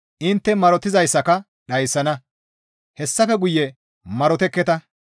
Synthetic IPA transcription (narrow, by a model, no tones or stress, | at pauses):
ʔɪnt̪ːɛmɐɾɔt̪ɪzɐjsːɐkɐ | ɗɐjsːɐnɐ | hɛsːɐfɛɡʊjːɛ | mɐɾɔt̪ɛkːɛt̪ɐ